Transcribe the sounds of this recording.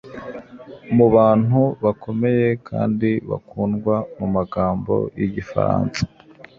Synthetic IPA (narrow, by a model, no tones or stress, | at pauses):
muβaːn̥huβakʰo̞me̞je̞kʰa̰ːndiβa̰kuːnɡwamumaɡaːmbo̞̰jiɟifa̰ɾa̰ːnsḁ